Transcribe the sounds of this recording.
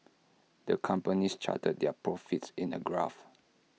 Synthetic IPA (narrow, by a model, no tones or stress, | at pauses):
dəkʰãmpənist͡ʃʰa̰təd̚dɛpʰɹɔfitsĩnə̰ɡɹa̰f